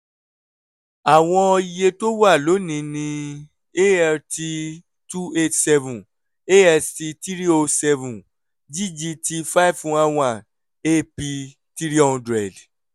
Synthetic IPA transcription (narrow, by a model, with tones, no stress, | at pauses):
a˨w̃ɔ̃˧i˧je˧to˦wa˦˨lo˨˦nĩ˧nĩ˧ | e˦ɛ˧ti˧ | tu˦e˦tsɛ˧vũ˨ | e˦ɛ˧sti˧ti˦ɾi˦o˧sɛ˧vũ˨ | d͡ʒi˦d͡ʒi˧ti˧fa˦i˦ffũ˨˦a˧wã˦˨ | e˦pi˧ | ti˦ɾi˦ɔ˦ũ˧dɾɛ˨d